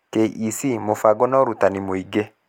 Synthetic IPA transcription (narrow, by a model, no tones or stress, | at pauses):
keʔisimofaɡɔnɔɾutanimoiɡe